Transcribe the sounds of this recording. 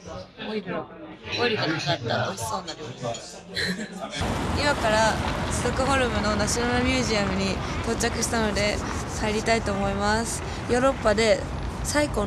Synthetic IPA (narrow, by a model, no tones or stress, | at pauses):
oɾikanakat̪ːat̪o̥soːnaɾ | imakaɾasɨzokɯ̟ɦo̞ɾɯ̟mɯ̟no̞naɕinanamʲɯːʑiamɯ̟ɲ̟it̪o̞t͡ɕakɯ̟ɕi̥t̪ano̞d̪e̞ | saeɾʲit̪ait̪o̞ːmo̞imasɨ̥ | jo̞ːɾo̞pːad̪e̞ | saiko̞